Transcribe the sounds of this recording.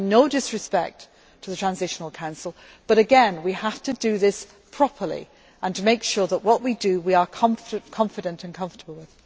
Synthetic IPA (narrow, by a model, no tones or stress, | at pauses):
noʊdɪsɹɨspɛ̰k̚tʰ | əðətʰɹ̥ãnzɪʃən̩l̩ˠkʰãʊ̃nsl̩ˠ | b̥ʌɾɨɡɛ̃nwihaftɨdɨðɪs | pʰɹ̥ɒpʰə˞lḭ | ʔə̃ntʰəmeɪkʃʊɹðəʔwʌʔwidɨwiə˞kʰʌ̃ɱfkʰɒ̃ɱfɨɾə̃ntʰə̃nkʰʌ̃ɱftəbl̩ˠwɪð̥